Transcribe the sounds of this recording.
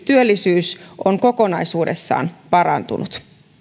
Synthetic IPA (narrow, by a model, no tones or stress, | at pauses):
t̪yølːisyːsʔoŋko̞ko̞nɑjsuːdḛsːɑ̰ːnpɑɾɑnt̪unut̪